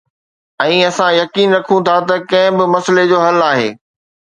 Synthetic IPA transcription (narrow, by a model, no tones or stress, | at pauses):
ɛ̃ːɐsãjɐkiːnɾɐkʰũt̪ʰat̪ɐkɐ̃ɦɪ̃bɪmɐsled͡ʑoːɦɐlaːɦḛː